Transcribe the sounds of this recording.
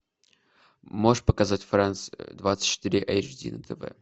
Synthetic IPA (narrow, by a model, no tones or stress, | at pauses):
moʂpəkɐzatʲfɾant̪sd̪vat̪sɨ̥tʲt͡ʃːɪ̥t̪ɨɾʲɪʔɛ̰jʐdʲḭnət̪ʰəvɛ̰